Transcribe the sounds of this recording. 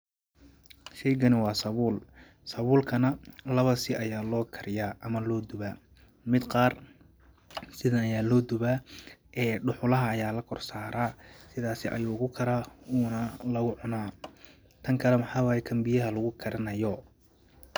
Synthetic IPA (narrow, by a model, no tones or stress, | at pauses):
ʃɛjɡɐnɪwɑːsɐβuːl | sɐβuːlkʰɐnɐlɐβɐsɪʔɐjaːlɔːkʰɐɾɪjaːʔɐmɐlɔːd̪ʊβaː | mɪd̪qɑːr | sɪðɐɐjaːlɔːd̪ʊβaːʔɛːɖʊħʊlɐɦɐːjaːlɐkʰɔrsaːɾaːsɪðaːsɪʔɐ̰juːɣʊkʰɐɾɐuːnɐlɐɣʊʕʊnaː | t̪ʰɐŋkʰɐlɛmɐħɑːwaːjɛkʰɐmbɪjɐɦɐlɐɣʊkʰɐɾɐnɐjɔ